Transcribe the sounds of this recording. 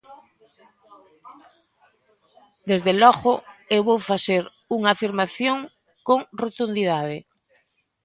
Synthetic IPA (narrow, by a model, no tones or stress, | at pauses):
d̪ezðelɔɣoewβowfaseɾ | uŋaːfiɾmaθjoŋ | koŋrot̪und̪iðaðe